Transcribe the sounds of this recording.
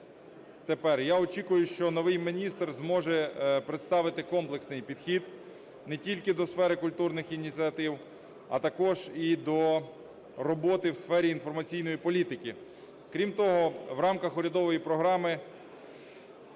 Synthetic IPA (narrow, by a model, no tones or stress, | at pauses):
t̪epɛrjaɔt͡ʃikʊjʊʃt͡ʃɔnɔʋɪjmɪnʲist̪rzmɔʒɛpɾet̪st̪ɑʋɪt̪ɪkɔmplˠeksnɪjpʲid̪̥xʲid̪ | nɛtʲilʲkɪd̪ɔsfɛɾɪkʊlʲt̪urnɪxinʲit͡sʲiɐt̪ɪw | ɐ̰t̪ɐkɔʒid̪ɔ | rɔbɔt̪ɪwsfɛɾʲiːnfɔrmɐt͡sʲijnɔjipɔlʲit̪ɪkɪ | kɾʲimt̪ɔɦɔwɾɑmkɐxʊɾʲɐd̪ɔʋɔjipɾɔɦɾɑmɪ